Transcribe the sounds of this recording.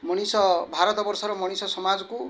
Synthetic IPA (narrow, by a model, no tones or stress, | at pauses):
mʌɽ̃isɔbʱaɾɔt̪ɔbʌɾsʌɾɔmʌɽ̃isɔsʌmad͡zku